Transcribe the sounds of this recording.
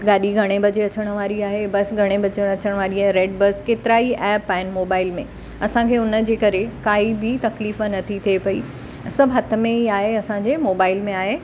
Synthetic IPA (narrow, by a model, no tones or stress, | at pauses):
ɡaːɗiɡʱɐɽ̃ebɐd͡ʑeɐt͡ɕəɽ̃̆ʋaːɾiaːɦebɐsɡʱɐɽ̃ebɐd͡ʑəɽ̃ɐt͡ɕəɽ̃ʋaːɾiaɦɾeːɖbɐskeːt̪ɪɾaːiʔɛːpaːɦɪnmoːbaːɪlmẽ | ɐsãkʰeːʊnə̆d͡ʑeːkɐɾekaːibɪt̪ɐkliːfnɐt̪ʰit̪ʰiepɐḭ | sɐbʱɦɐt̪ʰə̆mẽɦiaːɦeɐsãɲd͡ʑemoːbaːɪlmẽaːɦeː